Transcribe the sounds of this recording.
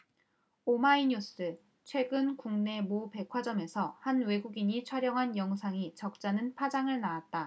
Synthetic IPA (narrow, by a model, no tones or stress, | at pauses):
omaiɲus͈ɯ | t͡ɕʰwe̞ɡɯnkuŋne̞mope̞kʰwad͡ʑʌme̞sʰʌhanwe̞ɡuɡiɲit͡ɕʰwaɾjʌŋɦanjʌŋusʰaŋit͡ɕʌk̚t͡ɕ͈anɯnpʰad͡ʑaŋɯɭnaːt̚t͈a